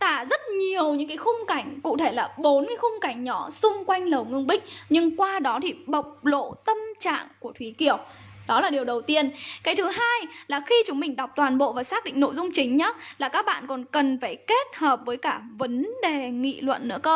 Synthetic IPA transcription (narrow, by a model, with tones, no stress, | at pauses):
t̪aː˧˩zə˦˥t̚ɲi˨˩əwɲɨ̰˧˥ŋkaː˨˦xʊ˧ŋ͡mka˧˩jŋ̟kṵ˧˨t̪ʰe˧˩laː˨˩ɓo˨˦nkaː˨˦jxʊ˧ŋ͡mka˧˩jŋ̟ɲɔ˧˩sʊ˧ŋ͡mkwa˧jŋ̟lə˨˩wŋɨ˧əŋɓï˦˥k̟̚ɲɨ˧ŋkwaː˧ɗɔ˨˦t̪ʰi˨˩ɓə˨˩wk͡p̚lo̰˧˨t̪ə˧mt͡ɕa̰ː˧˨ŋku˧˩ət̪ʰwi˨˦ki˧˩əw | ɗɔ˨˦laː˨˩ɗi˨˩əwɗə˨˩wt̪i˧ənkaː˨˦jt̪ʰɨ˨˦ɦaː˧jlaː˨˩xi˧t͡ɕʊ˨˦ŋ͡mm˨˩ŋ̟ɗa˨˩wk͡p̚t̪waː˨˩nɓo̰˧˨vaː˨˩saː˦˥k̚ɗḭ˧˨ŋno̰˧˨jzʊ˧ŋ͡mt͡ɕï˨˦ŋ̟ɲə˨˦laː˨˩kaː˦˥k̚ɓa̰ː˧˨nkɔ˨˩nkə˨˩nfaː˧˩jke˦˥t̚həː˨˩p̚vəː˨˦jkaː˧˩və˨˦nɗe˨˩ŋḭ˧˨lwə̰˧˨nːɨ̰˧˥əkəː˧